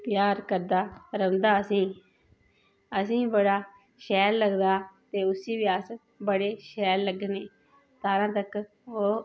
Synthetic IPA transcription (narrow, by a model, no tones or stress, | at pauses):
p̪jaːɾkəɾd̪aːɾəʋnd̪aːəsĩː | əsĩːbəɽaː | ʃɛːɾləɡd̪aːt̪eːʊsiːʋiːəs | bəɽeːʃɛːɾləɡneː | t̪aːɾãːt̪ək | oː